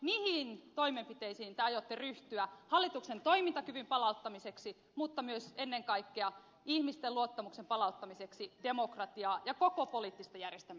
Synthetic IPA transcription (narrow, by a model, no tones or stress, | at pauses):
mihint̪o̞imempit̪eisiːnt̪eɑjot̪ːeryht̪yæhɑlːit̪uksent̪o̞imint̪ɑkyʋympɑlɑut̪ːɑmiseksi | mut̪ːɑmyøsenːeŋkɑikːeɑ | ihmist̪eluot̪ːɑmuksempɑlɑut̪ːɑmiseksidemokrɑt̪iɑːjɑkokopoliːt̪ːist̪ɑjærjest̪æm